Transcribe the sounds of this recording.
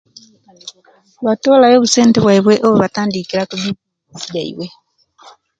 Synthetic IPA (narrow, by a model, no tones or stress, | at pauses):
βatolajoβusenteβwaiβweʔoβoβataːndikiɾakuβi | siɟaḭβwe